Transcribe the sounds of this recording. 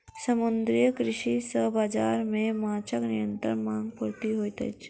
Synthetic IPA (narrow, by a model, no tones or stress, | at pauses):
səmʊnd̪ɾijəkɾɪʃisəɦbaːd͡ʒaːɾmẽmaːt͡ʃəknɪjə̃nt̪ə̰nmãːŋɡ̚puɾt̪iɦoːit̪ə̰t͡ʃʰ